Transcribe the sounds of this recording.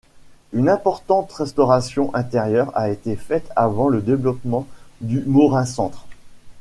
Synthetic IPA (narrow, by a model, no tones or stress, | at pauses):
ynɛ̃pɔʁt̪ɑ̃t̪ʁɛst̪ɔʁasjɔ̃ʔɛ̃t̪ɛʁjœʁa̰et̪efɛt̪ʰavɑ̃ləd̪evlɔpmɑ̃d̪ymoʁɛ̃sɑ̃t̪χ